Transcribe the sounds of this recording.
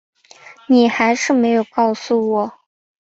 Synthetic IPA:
ni˨˩xa˧˥ɪʂɻ̩˥˩me˧˥ɪjo˨˩ʊkɑ˥˧ʊsu˨˩wɔ˨˩˦

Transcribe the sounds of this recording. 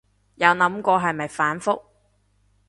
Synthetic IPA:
jɐ˨˧wnɐ˨˥mkʷɔː˧ɦɐ˨jmɐ˨jfaː˨˥nfʊ˥k̚

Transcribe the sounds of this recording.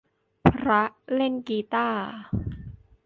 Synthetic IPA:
pʰɾa˦˥le˥˩nkiː˧˦t̪aː˥˩

